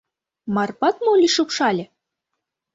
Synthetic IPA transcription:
mɑrpɑt̪molʲiʃɤpʃɑlʲɘ̆

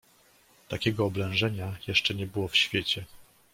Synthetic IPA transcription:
t̪akʲɛɡɔːblɛ̃w̃ʐɛɲajɛʂt͡ʂɛɲɛbɘwɔfɕfʲjet͡ɕɛ

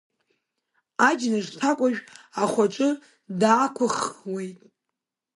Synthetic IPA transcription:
ad͡ʒnɨʐtʰakʷʼaʒᶣaχʷaʈ͡ʂʷʼɨ | daːkʷʰʊχwejtʼ

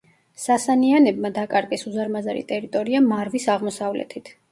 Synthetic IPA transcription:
sasanianɛbmad̪akʼaɾɡɛsuzaɾmazaɾḭt̪ʼɛɾit̪ʼɔɾiamaɾvisaʁmɔsavlɛ̰t̪ʰit̪ʰ

